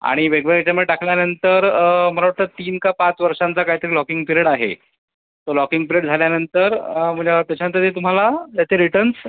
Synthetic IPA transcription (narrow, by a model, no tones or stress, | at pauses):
a̰ɽ̃iʋeɡʋeɡat͡ɕamuɭeʈakljanənt̪əɾm̤əlaʋaɾt̪əːt̪iːnkapat͡sʋəɾʂant͡sakaɦit̪əɾilɔkiŋɡpiɾeɽaɦḛ | t̪olɔkiŋɡpiɾeʈd͡zʱaljanənt̪əɾm̤ə̃ɳd͡zeat̪jat͡ɕaənt̪əɾt̪eːt̪̬um̤alat̪jat͡seɾiʈəns